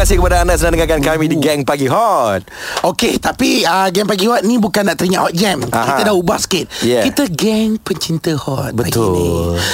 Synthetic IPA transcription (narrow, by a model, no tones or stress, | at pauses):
asikəpadaːnaʔsənãndəŋakankamĩdiɡɛŋpaɡiɦɔt̪̚oket̪apiəɡɛŋpaɡihɔt̪̚nĩbukanːaʔt̪əɾiŋaʔhɔt̪̚ɡɛmakĩədaubahsə̥kɪt̪̚jɛkit̪əɡɛŋpəɲt͡ʃint̪əhɔt̪̚bəaɡt̪ʊn